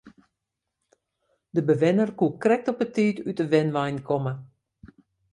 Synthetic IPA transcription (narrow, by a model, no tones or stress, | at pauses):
dəbəʋɪnərkukrɛk̚tɔpətʰiːtytəʋɪnʋɛjnkʰɔmə